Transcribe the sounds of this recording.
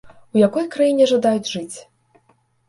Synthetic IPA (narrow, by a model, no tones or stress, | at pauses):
ujakɔjkɾajinʲɛʐad̪ajud͡zʲʐɨt͡sʲ